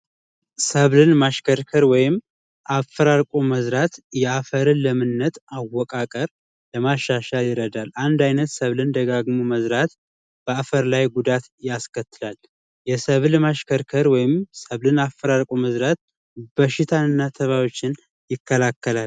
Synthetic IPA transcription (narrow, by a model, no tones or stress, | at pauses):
səβlɨnmaʃkʰəɾkʰəɾwɔjɪm | ʔafːəɾaɾkʷʼoməzɾat̪jɛafəɾɨnləmɨnːət̪awːɔkʼakʼəɾ | ləmaʃːaʃaljɪɾəd̪alʔand̪ajnət̪səβlɨnd̪əɡaɡmuməzɾat̪ | b̥əafəɾlajɡud̪at̪jaskʰət̪ːɨlal | jɛsəβlmaʃkʰəɾkʰəɾwɔjɪmsəβlɨnafːəɾaɾkʼoməzɾat̪̚ | b̥əʃɪt̪ʰanɨnːat̪ʰəβawo̞t͡ʃːɪn | jɪkʰːəlakːəlal